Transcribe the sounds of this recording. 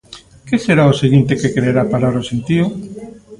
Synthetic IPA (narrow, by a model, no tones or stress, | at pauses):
keseɾaoseɣint̪ekekɾeeɾapaɾaɾosent̪iʊ